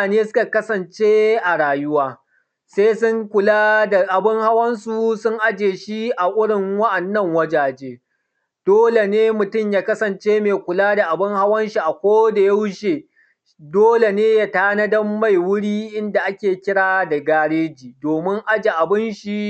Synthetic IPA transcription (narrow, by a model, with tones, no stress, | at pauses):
a˨neː˦sʊ̥˦ka˨kɐ˦sɐ˨nt͡ʃeː˦ʔa˨ɽaː˨jʊ˦waː˦ | seː˦sʊ˦ŋkʷʊ˨laː˦da˨ʔa˨bɪ˦ŋha˦wɐ˦nsu˨sʊ˦ŋʔa˦d͡ʒeː˨ʃi˦ʔa˨ʔʊ˦ɽɪ˨ŋwɐ˦ʔɐ˨nːɐ˦˨ŋwɐ˦d͡ʒaː˨d͡ʒeː˦ | d̥oː˦le˨neː˦mʊ˨tʊ˦mjaː˦kɐ˦sɐ˨nt͡ʃeː˦meː˨kʷʊ˨laː˦da˨ʔa˨bɪ˦ŋha˦wɐ˦nʃi˨ʔa˨kʷoː˦da˨ja˦wʊ˦ʃeː˨ | doː˦le˨neː˦ja˦taː˦nɐ˦dɐ˦mːa˦˨jwʊ˦ɽiː˦ʔɪ˦nda˨ʔa˦kʲeː˨kʲɪ˦ɽaː˦da˨ɡaː˦ɽeː˦d͡ʒiː˨doː˨mɪ˦ŋʔa˦d͡ʒe˨ʔa˨bɪ˦nʃi˨